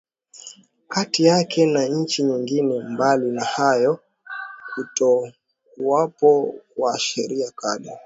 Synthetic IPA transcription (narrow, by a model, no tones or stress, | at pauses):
katijakʰɛnaɲ̩t͡ʃiɲiŋɡinɛmbalinahajɔ | hutɔ | kuwapɔwaʃɛɾiakaɗa